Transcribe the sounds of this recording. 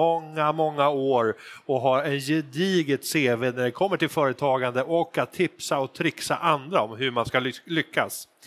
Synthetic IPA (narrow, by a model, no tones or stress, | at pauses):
ɔŋːamɔŋːaoːɾɔɦaɾɛnjɛd̪iːɡɪt̪seːveːnæɖɛkʰɔmːəʈʰɪlfœːɾət̪ʰɑːɡand̪əʔɔkːat̪ʰːɪpsaɔt̪ʰɾɪksa̰ʔand̪ɾaɔmɦɵmanskalʏkːa̰s